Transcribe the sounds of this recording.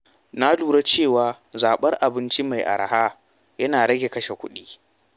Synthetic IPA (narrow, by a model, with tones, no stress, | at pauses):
na˦luː˨ɽa˦t͡ʃeː˦˨waː˨ | zaː˨ɓɐ˦rʔa˨bɪ˦nt͡ʃi˦ma˨jʔa̰˨ɾa̰˨haː˦ | jɐ˦naː˨ɽɐ˦ɡʲe˨kɐ˦ʃe˨kʷʊ̰˦ɗiː˦